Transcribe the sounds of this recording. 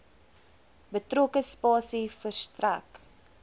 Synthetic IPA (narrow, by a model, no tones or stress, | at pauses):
bətrokəspɑːsifərstræk